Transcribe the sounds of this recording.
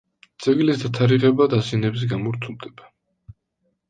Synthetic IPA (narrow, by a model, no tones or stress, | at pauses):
t̪sʼɛɡlisd̪at̪ʰaɾiʁɛbad̪azianɛbzɛɡamɔɾt̪ʰulˠd̪ɛba